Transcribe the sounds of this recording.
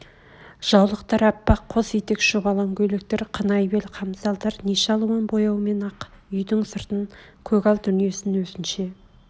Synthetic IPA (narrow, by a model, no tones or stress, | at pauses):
ʒ̥ɑwlˠəqt̪ɑɾɑpːɑqʰːosejt̪ekʒ̥oʁɑlˠɑŋkʲʰɵjlɪk̚t̪e̞ɾqʰənɑjbe̞lqʰɑmzɑlˠd̪ɑɾniʃɑlˠuwɑnbo̞jɑwme̞nɑq | ʏjd̪ɪŋsəɾt̪əŋkʲʰɵkʲɑlˠd̪ʏnije̞sɪnwɵzɪnʃe̞